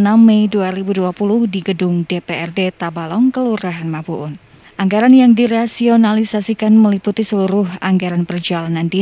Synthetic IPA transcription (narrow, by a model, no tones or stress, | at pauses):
namːɛjduaɾibuduapulʊhdiɡədʊŋdepeɛrdet̪abalɔŋkəluɾaɦanmapuʔʊn | ʔaŋɡaɾanjaŋdiɾasionalisasikanməliput̪isəluɾʊhaŋɡaɾanpərd͡ʒalanandi